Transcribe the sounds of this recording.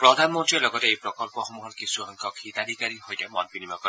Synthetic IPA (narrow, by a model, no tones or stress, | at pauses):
pɾɔd̪ʱanmɔnt̪ɾielɔɡɔt̪eejpɾɔkɔlpɔxɔmuɦɔɾkisuɦaŋkɔkʰit̪ad̪ʱikaɾiɦojdemɔnbinimakɔ